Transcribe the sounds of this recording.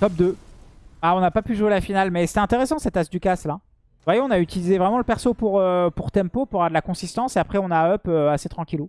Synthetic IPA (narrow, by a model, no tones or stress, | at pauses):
t̪ɔp̚d̪ø | aɔ̃napapyʒuelafinalmɛse̥t̪ɛ̃t̪eʁesɑ̃sɛt̪asd̪ykasla | vwajeɔ̃nayt̪ilizevʁɛmɑ̃ləpɛʁsopuʁøpuʁt̪ɛmpopuʁɛʁd̪əlakɔ̃sist̪ɑ̃seapχɛɔ̃naœpøaset̪χɑ̃kʲilu